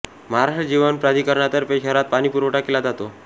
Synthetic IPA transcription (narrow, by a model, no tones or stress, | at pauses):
məɦaɾaʂʈd͡ʑiʋənpɾad̪ʱikəɾɳat̪əɾpeɕəɾat̪̚paɽ̃ipuɾʋoʈakːelad͡zat̪o